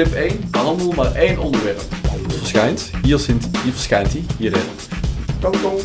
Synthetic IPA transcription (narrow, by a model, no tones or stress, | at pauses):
ɪpejnɑlˠəmulˠmaːɹejnʔɔndəɹʋɛrpfəɹsxɛjntɦiːɹsɪnthiːəɹvəɹsxɛjntiɦiːɾɪ̰n | to